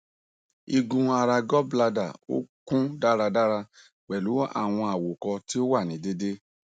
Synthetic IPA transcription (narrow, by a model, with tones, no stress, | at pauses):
i˧ɡũ˧˦a˧ɾa˧ɡɔ˦bla˧da˨o̰˦kũ˦da˦ɾa˧da˦ɾa˧ | k͡pɛ˨lu˨˦a̰˦˨w̃ɔ̃˧a˨wo˨kɔ˧ti˦o˦wa˦˨nĩ˨˦de˦de˦